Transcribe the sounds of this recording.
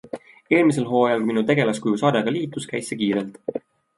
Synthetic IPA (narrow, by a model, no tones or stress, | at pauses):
e̞ːlmise̞lɦo̞ːjɑlminut̪e̞ɡe̞lɑskujusɑːd̪eɡ̥ɑliːt̪ːˑuskæjsːekiːɾelt̪